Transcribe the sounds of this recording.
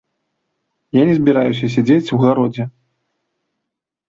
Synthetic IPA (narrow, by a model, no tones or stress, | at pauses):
janʲɛzʲbʲiɾajus̬ʲɐs̬ʲad͡zʲet͡sʲwɣaɾɔd͡zʲɛ